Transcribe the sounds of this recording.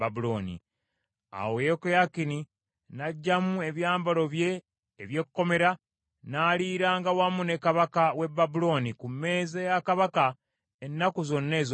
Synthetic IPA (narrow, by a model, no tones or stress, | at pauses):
abuloːnḭ | a̰wojekojakini | naɟːamue̞βjaːmbalo̞βje̞ː | βje̞kkːo̞me̞ɾa | naːliːɾaːŋɡawamune̞kaβakawe̞bːabulo̞nikumːe̞ːzejakaβaka | enːakuzo̞nːe̞ːz